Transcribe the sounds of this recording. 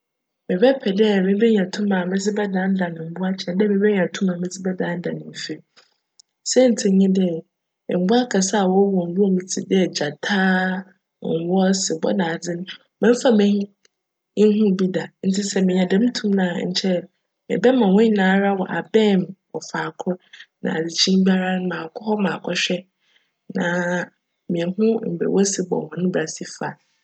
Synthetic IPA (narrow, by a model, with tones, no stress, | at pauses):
mɪ̃˨bɛ˦pʰɛ˨dɛ˦˨mɪ̃˦bɛ˦ɲ˨ã˨tʰũ˦mã˨mɪ̃˦d͡zɪ˦bɛ˦dã˨˦n̩˦da˨nɪ̃˨m̩˨bʊ˦a˦t͡ɕʰɛ̃˨ndɛ˦˨mɪ̃˨˦bɛ˦ɲ˨ã˨tʰũ˦mã˨mɪ̃˦d͡zɪ˦bɛ˦dã˨˦n˦dã˨nɪ̃˨m˨fe˦ | sɛ˦n̩˨tʰɪ˨˦ɲɪ̃˦dɛ̰˦˨ | m̩˨bʊ˦a˦kʰa˨sa˦a˨wɔ˦wɔ˨ŋ̩˨ɡʊ˦o˦mĩ˨t͡sʰi˨dɪ˦ɛ˨d͡ʑa˨tʰaː˦˨ | ŋ̩˨wɔ˦sɪ˨bɔ̰˦nã˨d͡zɪ˦nʊ̃˦ | mɛ̃˦m̩˦fa˦mɪ̃˦ | ɪ˦ŋ˦ɦʊ̃˦˨bi˦da˨n̩˦tʰɪ˦sɛ˦mɪ̃˨ɲɛ̃˨dɛ̃˦m˦tʰũ˦mnã˨ɲ̩̰˨t͡ɕʰɛ˦ | mɪ̰̃˨bɛ˦mã˨wɔ̃˦ɲi˦nãː˨˦ɾa˦wɔ˨ʔa˨bɛ̃˦˨mwʔɔ̰˨fa˨kʰʊ˦nã̰˨d͡zɪ˨t͡ɕʰĩ˦m˦bi˦a˦ɾa˦ñ˦mãː˨kʰʊ˦hɔ˦mã˨kʰɔ˦ɕᶣɛ˦ | nã˨ | mĩ˨ɛ˨ɦʊ̃˦m̩˨bɛ̰˨wʔɔ˦sɪ˨bɔ̰˨hʊ̃˨nʊ̃˦bɾa˨si˦fa˨